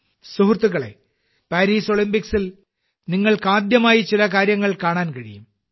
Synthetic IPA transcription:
suɦut̪ːuɣɐɭḛ | paːɾiːso̞ɭimbiksil | niŋːɐɭkaːd̪jɐmaːjit͡ɕilɐkaːɾjɐŋːɐɭkaːɳaːnkɐɻḭjum

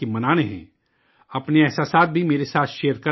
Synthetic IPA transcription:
emɐnaːñeɦɛ̰̃ː | ɐpneɛːsaːsaːt̪̚bʱimeːɾesaːt̪ʰʃeːjəɾkɐ

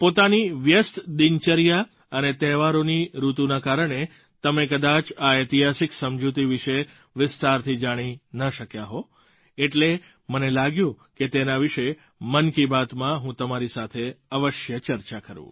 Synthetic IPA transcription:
pot̪aniʋjəst̪d̪ɪnt͡ʃəɾja | ənet̪ɛʋaɾoniɾut̪unakaɾəɽ̃e | t̪əmekəd̪at͡ʃaet̪iɦasiksəmd͡ʒut̪̬iʋɪʃe | ʋɪst̪aɾt̪ʰid͡ʒaɽ̃inəʃəkjaɦo | eʈle | mənelaɡjũ | ket̪enaʋɪʃe | mənkibat̪mãɦũt̪əmaɾisat̪ʰeəʋəʃjət͡ʃəɾt͡ʃakəɾṵ̃

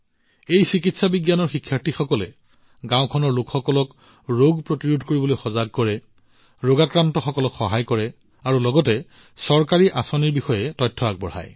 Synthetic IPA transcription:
ejsik̬itsabiɡjanɔɹxikʰːjaɹtʰixɔkɔlɛ | ɡãʊ̃kʰɔnɔɹlukxɔkɔlɔk | ɹoɡpɹotiɹudʱkoɹibɔlojxɔzaɡ̚kɔɹɛ | ɹoɡakɹantɔxɔkɔlɔkxɔɦajkɔɹɛ | aɹulɔɡɔtɛ | sɔɹkaɹiʔasɔniɹbixɔjɛtɔjtʰːɔak̚bɔɹha̰j

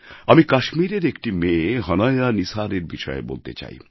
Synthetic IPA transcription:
amikaʃmiɾeɾekʈimeːɦɔnajɾanisaɾeɾbiʃɔḛbo̰lt̪ḛt͡ɕa̰j

